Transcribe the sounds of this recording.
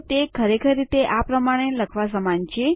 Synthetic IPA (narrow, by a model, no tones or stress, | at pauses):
t̪ekʰəɾekʰəɾːit̪eʔapɾəmaɽ̃eləkʰʋasəmant͡ʃʰe